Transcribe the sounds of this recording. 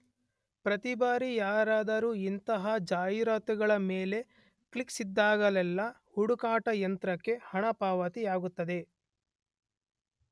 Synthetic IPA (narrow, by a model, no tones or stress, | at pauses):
pɾɐt̪ibaːɾijaːɾaːd̪ɐɾuːint̪ɐɦɐd͡ʒaːjiɾaːt̪uɡɐɭɐmeːle̞ | kɭiksid̪ːaːɡɐlɛlːɐ | huɽukaːʈɐjɐnt̪ɾɐkːe̞hɐɳɐpaːʋɐt̪iaːɡut̪ːɐd̪e̞